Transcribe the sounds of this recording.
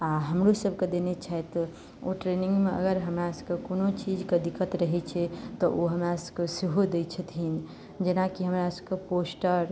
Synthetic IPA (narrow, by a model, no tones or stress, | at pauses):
aɦəmɾusəbked̪enet͡ʃʰaet̪ | oʈɾenĩŋɡmeə̰ɡəɾɦəmɾasəkekonot͡ʃid͡ʒked̪ikət̪ɾəɦɛt͡ʃʰɛt̪ɔʔoɦəmɾasəbkesiɦod̪et͡ʃʰət̪ʰɦin | d͡ʒenakiɦəmɾasəbkeposʈəɾ